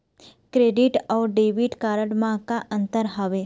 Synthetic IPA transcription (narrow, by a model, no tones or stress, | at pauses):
kɾeːɖiʈɔːɖeːʋiʈkaːɾəɽmãkaʔə̃nt̪əɾɦəʋe